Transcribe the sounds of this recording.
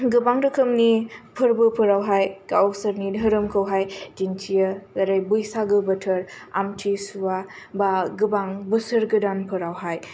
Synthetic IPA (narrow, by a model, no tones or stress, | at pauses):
ɡɯbaŋɾɯkʰɯmnipʰɯɾbɯpʰɯɾawɦajkaɔsɐɾnidʱɐɾɯmkʰɐwɦajd͡ʒintʰijɐzɐɾajbujsaɡɯbɐtʰɐɾa̰mtʰisuwabaɡɯbaŋbɯsɯɾɡɯdanpʰɯɾawɦaj